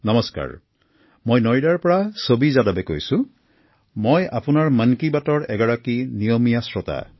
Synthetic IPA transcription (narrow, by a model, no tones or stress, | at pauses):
nɔmɔska̰ɹ | mojnɔɹidaɹpɔɹasobizadabɛkojsʊ̃ | moja̰pʊnaɹmankibatɔɹɛɡɔɹakinijɔmijasɹɔta̰